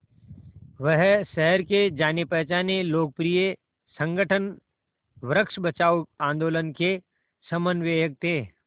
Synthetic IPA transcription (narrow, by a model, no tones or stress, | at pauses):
ʋəɦʃɛɦəɾked͡ʒaːnepɛːt͡ʃaːneloːk̚pɾije | sə̃ŋɡəʈʰən | ʋɾəkʃbət͡ʃaːuãːnd̪oːlənke | səmənʋeːjək̚t̪ʰeː